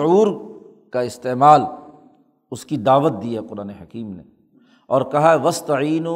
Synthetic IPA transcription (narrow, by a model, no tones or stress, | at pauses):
uːɾ | kaɪst̪eːmaːl | ʊskid̪aːʋət̪̚d̪iːɛqʊɾaːneɦɐkiːmnḛ | ɔːɾkɐɦaɦɛʋɐst̪ɐʕiːno